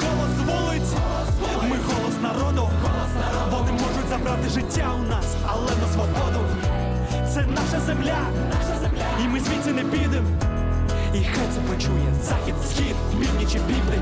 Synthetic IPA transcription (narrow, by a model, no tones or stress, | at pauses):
ɣɔlˠɔsʋɔlˠɪtʲ | mɪɣɔlˠɔsnɐɾɔd̪ɔ | ʋɔnɪmɔʐʊtʲzɐbɾat̪ɪʐɪtʲːaʊnas | ɐlˠɛnɐsʋɔbɔd̪ʊ | t̪sɛnaʃɐzɛmlʲa | imɪzʲʋʲisʲɪnɛbʲid̪ɪm | ixajt̪sɛpɔt͡ʃujɛzaxʲit̪fsxʲit̪ | mʲiwnʲit͡ʃɪbʲib̪nɪ